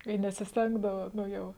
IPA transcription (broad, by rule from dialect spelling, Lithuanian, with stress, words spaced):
ɪ nʲɛsʲɪsʲˈtʲɛŋɡdɐʋɐ ˈnʊ ˈjɛʊ